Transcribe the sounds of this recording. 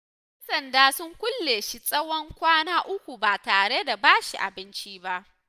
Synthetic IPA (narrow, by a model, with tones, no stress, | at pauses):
ʔʔɛ˦nsɐ˨ndaː˦sʊ˦ŋkʷʊ˦lːeː˨ʃi˦sʼɐ˦wɔ˦ŋkʷaː˦naː˦ʔʊ˦kʷu˨baː˨taː˨ɽe˦da˨baː˦ʃḭ˨ʔa̰˨bɪ˦nt͡ʃiː˦ba˦ʔ